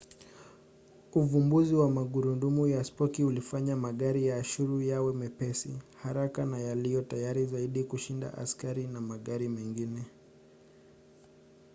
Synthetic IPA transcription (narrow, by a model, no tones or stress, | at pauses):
uvumbuziwamaɠuɾundumujaspɔkiulifaɲamaɠaɾijaːʃuɾujawɛmɛpɛsihaɾakanajalijɔtajaɾizaiɗikuʃinda̰ʔa̰skaɾinamaɠaɾimɛŋɡinɛ